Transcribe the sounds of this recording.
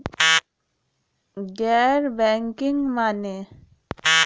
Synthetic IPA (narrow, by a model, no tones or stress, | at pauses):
ɡɛɾbɛŋkiŋmane